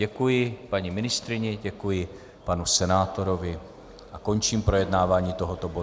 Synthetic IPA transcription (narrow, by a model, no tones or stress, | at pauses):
ɛkujɪpaɲimɪnɪst̪ɾɪɲɛɟɛkujɪ | panusɛnaːt̪o̞ɾovɪ | ʔako̞nt͡ʃiːmpɾo̞jɛdnaːvaːɲiːt̪oɦot̪obo